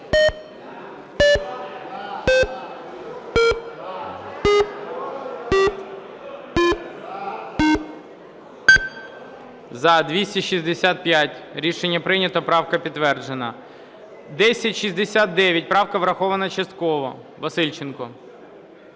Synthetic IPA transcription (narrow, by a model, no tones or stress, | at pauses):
zɐd̪ʋʲisʲtʲiʃizd̪esʲat̪̚pʲjatʲɾʲiʃenʲːɐpɾɪnʲɐt̪ɔpɾɑwkɐpʲit̪ːʋɛrd͡ʒenɐ̰ | d̪ɛsʲɐtʲʃizd̪esʲat̪̚d̪ɛʋʲjɐt̚ʲpɾɑwkɐʋɾɐxɔʋɐnɐt͡ʃɐst̪kɔʋɔ | ʋɐsɪlʲt͡ʃenkɔ